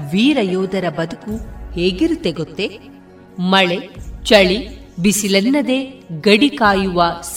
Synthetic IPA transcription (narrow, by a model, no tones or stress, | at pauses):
ʋiːɾɐjoːd̪ɐɾɐbɐd̪ukuheːɡiɾut̪eɡot̪ːe | mɐɭet͡ʃɐɭi | bisilɐnːɐd̪e̞ːɡɐɽikaːjuʋɐs